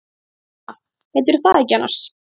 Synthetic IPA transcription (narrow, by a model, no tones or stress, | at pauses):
hɛjt̪̬ʏɾ̥θaðɛjcːɪanːa̰r̥s